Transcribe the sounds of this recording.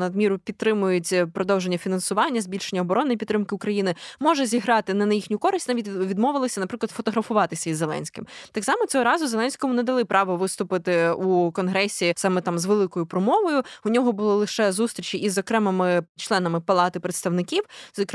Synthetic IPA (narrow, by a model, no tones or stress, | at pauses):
nɐd̪mʲiɾʊpʲid̪̚ɾɪmʊjʊtʲpɾɔd̪ɔwʒenʲːɐfʲinɐnsʊʋɑnʲːɐzʲbʲilʲʃenʲːɐɔbɔɾɔnɪipʲit̪ːɾɪmkɪʊkɾɐjinɪmɔʒɛzʲiɦɾɑt̪ɪnɐnɐjixnʲʊkɔɾɪsʲtʲnɑʋʲitʲʋʲid̪mɔʋɪlˠɔsʲɐnɐpɾɪklˠɐd̪fɔt̪ɔɦɾɐfʊʋɑt̪ɪsʲɐizːelˠɛ̰nʲsʲkɪmt̪ɑksɑmɔt͡sʲɔɦɔɾɑzʊzelˠɛnʲsʲkɔmʊnɛd̪ɐlˠɪpɾɑʋɔʋɪst̪ʊpɪt̪ɪukɔnɦɾɛsʲisɑmɛt̪ɑmzʋelˠɪkɔjʊpɾɔmɔʋɔjʊʊnʲɔɦɔbʊlˠɪlˠɪʃɛzust̪ɾʲit͡ʃiʔizɔkɾɛmɪmɪt͡ʃlˠɛnɐmɪpɐlˠɑt̪ɪpɾet̪st̪ɐwnɪkʲiwzɔk